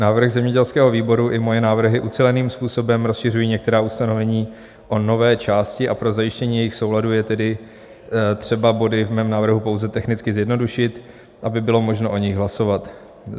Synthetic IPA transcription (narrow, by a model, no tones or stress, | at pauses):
naːvr̩ɣzɛmɲɛɟɛlskɛːɦo̞viːbo̞ɾuʔɪmo̞jɛnaːvr̩ɦɪʔut͡sɛlɛniːmspuːso̞bɛmɾo̞sʃɪrujiːɲɛk̚t̪ɛɾaːust̪ano̞vɛɲiː | ʔono̞vɛːt͡ʃaːscɪʔapɾo̞zajɪʃcɛɲiːjɛjɪxso̞wladujɛt̪ɛdɪ | t̪r̝̥ɛbabo̞dɪvmɛːmnaːvr̩ɦupo̞wzɛt̪ɛxnɪt͡skɪzjɛdnoduʃɪt̪ | ʔabɪbɪlo̞mo̞ʒno̞ʔo̞ɲɪɣɦlaso̞vat̪